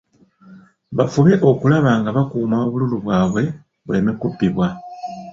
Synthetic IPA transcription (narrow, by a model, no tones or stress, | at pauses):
βafuβe̞ʔo̞kulaβaːŋɡaβakuːmaoβululuβwaːβwe̞ | βwe̞ːmekubːiβwa